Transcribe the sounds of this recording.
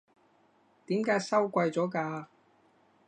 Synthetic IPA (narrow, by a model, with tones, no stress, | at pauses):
t̪iː˨˥mkaː˨˥jsɐ˥wkʷɐ˧jt͡sɔː˨˥kaː˧